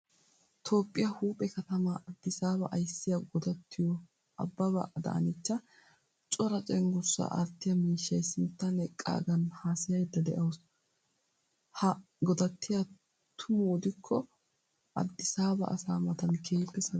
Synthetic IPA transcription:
t̪ʰo̞ːpʼːɪjɐhuːpʼɛkɐt̪ɐmɐʔɐd̪ːɪsaːbɐʔɐjsːɪjɐɡɔd̪ɐt̪ʰːɪjɔ | ɐ̰bːɐbɐ̰ʔɐd̪ɐ̰ʔɐ̰nɪt͡ʃːɐ | t͡ʃʼɔɾɐt͡ʃʼɛŋɡʊsːɐ̰ʔɐ̰ɾt̪ːɪjɐmiːʃːɐjsɪnt̪ːɐnɛkʼːa̰ːɡɐnhaːsɪjɐjd̪ːɐd̪ɛʔɐws | hɐ | ɡɔd̪ɐt̪ːɪjɐ | t̪ʰʊmʊːd̪ɪkʰːɔ | ʔɐ̰d̪ːɪsaːbɐ̰ʔɐ̰saːmɐt̪ɐnkʰeːpːɛsɐ

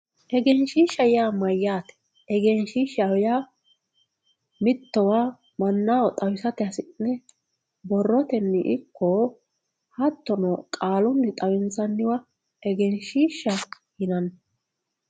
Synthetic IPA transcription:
ʔɛɡɛnʃiːʃɐjɪjaːmɐjːaːt̪ɛ̥ | ɛɡɛnʃiːʃɐwɛjaː | mɪt̪ːɔwaː | mɐnːaːwɔt̪ʼɐwɪsɐt̪ɪɐsɪʔɪnɛ | bɔrːɔt̪ɛnːɪʔɪkʰːɔ | hɐt̪ːɔnɔkʼaːlʊnːɪt̪ʼɐwɪnt͡sɐnːɪwɐ | ɛɡɛnʃiːʃːɐ | hɪnɐnː

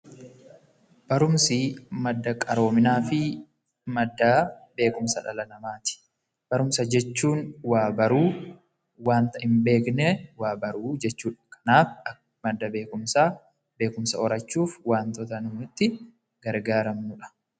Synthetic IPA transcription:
b̥ɐɾʊmsɪmɐd̪ːɐkʼɐɾo̞ːmɪnaːfɪ | mɐd̪ːɐbe̞ːkʊmsɐᶑɐ̰lɐnɐmaːt̪ɪ̥ | b̥ɐɾʊmsɐd͡ʒɛt͡ʃːuːnwaːbɐɾuː | waːnt̪ɐhɪmbe̞ːknɛwaːbɐɾuːd͡ʒɛt͡ʃːuːᶑɐ̥kʰɐ̥naːf | mɐd̪ːɐbe̞ːkʊmsaː | be̞ːkʊmsɐɔɾɐt͡ʃːuːfwaːnt̪ɔt̪ɐnʊːɪt̪ːɪ | ɡɐɾɡaːɾɐmnʊᶑɐ̥

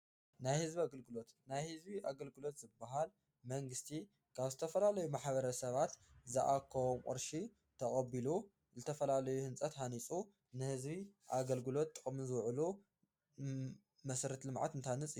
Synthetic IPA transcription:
najhɨzbaɡɨlɡɨlo̞t̪najhɨzbiʔaɡɐlɡɨlo̞t̪z̥ɨbːaɦal | mɐŋɡɨst̪ʰi | kʰaβzɨt̪ʰɐfɐlalɐjumaħβɐɾɐsɐβat̪zɨʔakʰːɐwomqʼɨ̰ɾʃi | t̪ʰɐχʼɐbilu | zɨt̪ʰɐfɐlalɐjuhɨnt͡sʼɐt̪hanit͡sʼu | nɨhɨzβiʔaɡɐlɡɨlo̞t̪ːʼɨχʼmzɨwʕlu | mɐsɾɐt̪lɨmʕa̰t̪ɨnt̪ʰanɨt͡sʼi

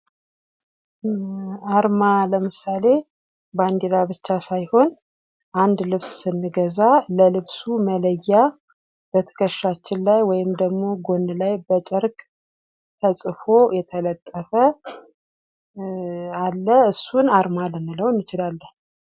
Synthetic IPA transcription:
aɾmaləmɨsale̞ | band̪elabɨt͡ʃːasajho̞n | ʔand̪lɨβssɨnːɨɡəzaləlɨβsumələjːa | b̥ət̪ʰə̥kʰəʃːat͡ʃːɪnlajwɔjɪmd̪əɡmo̞ɡo̞nɨlajbət͡ʃʼəɾkʼ | t̪ʰəsʼɨfo̞jɛt̪ʰələt̪ʼːəfə | alːəɨsːunaɾmalɨnɨləwɨnːɨt͡ʃɪlalːən

